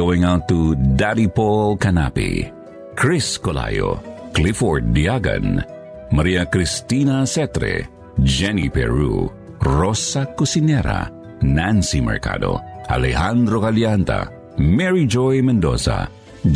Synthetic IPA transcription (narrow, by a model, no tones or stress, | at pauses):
owĩŋawt̪ːud̪aɾipolkanapḭ | kʰɹiskola̰jo̰ | klifɔɹd̚diaɡã̰n | maɾiakɾist̪inasɛt̪ɾɛ̰ | d͡ʒɛnipɛ̰ɹṵ | ɹɔsakusinɛɾa̰ | nansimɛ̰ɹka̰d̪o̰a̰lɛɦãnd̪ɾokaljant̪a̰ | mɛɹid͡ʒɔjmɛ̃nd̪o̰sa̰